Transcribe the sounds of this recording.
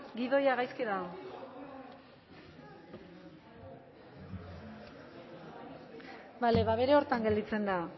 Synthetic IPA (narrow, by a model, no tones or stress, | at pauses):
ɡiðo̞jaɣajskiɾao | baleβaβe̞ɾe̞o̞ɾt̪aŋɡe̞ld̪it͡se̞nd̪a